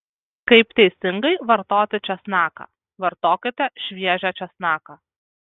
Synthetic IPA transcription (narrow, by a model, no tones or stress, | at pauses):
kɐɪpt̪ʲɛɪsʲɪŋɡɐɪʋɐɾt̪oːt̪ʲɪt͡ʃʲɛsnɑːkɐ̰ | ʋɐɾt̪oːkʲɪt̪ʲɛʃʲʋʲiɛʒʲɛt͡ʃʲɛsnɑːkaː